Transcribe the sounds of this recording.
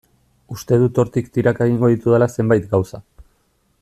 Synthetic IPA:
ust̪e̞ð̞ut̪o̞ɾt̪ikt̪iɾakeɣ̞iŋɡo̞ð̞it̪uð̞elase̞mbajt̪ɡawsa

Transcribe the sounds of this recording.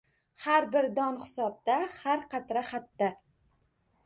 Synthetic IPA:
haɾbɪɾd̪ɒnχɪ̥sɒb̚d̪ahaɾqʰɑt̪ɾaχat̪ːa

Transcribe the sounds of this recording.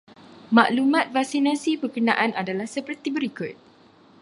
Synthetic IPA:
ma̰ʔlumãt̪̚fak̚sinãsibərkənãʔanadalahsəpərt̪ibəɾikʊt̪̚

